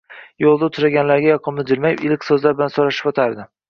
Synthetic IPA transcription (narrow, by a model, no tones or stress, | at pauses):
jolˠd̪aʊt̪ʰʊɾaɡʲanlaɾɡʲajɒqʰɨmnɪd̪ɪlmajɪpɪlɪkʲsɵzlaɾbɪlansoɾaʃɪ̥pɒt̪ʰaɾd̪ɪ